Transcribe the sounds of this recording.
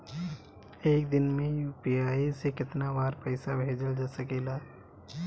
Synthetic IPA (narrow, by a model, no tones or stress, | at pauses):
eːk̚d̪ɪnmẽjuːpiaːisekɪt̪nabaːɾpəɪsabʱeːd͡ʒəld͡ʒaːsəkeːlaː